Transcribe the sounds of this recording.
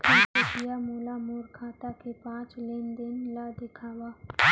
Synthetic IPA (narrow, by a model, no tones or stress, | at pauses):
kʰekepijamoːlamoːɾkʰaːt̪akepãːt͡ʃlend̪enlad̪ɪkʰaːwaː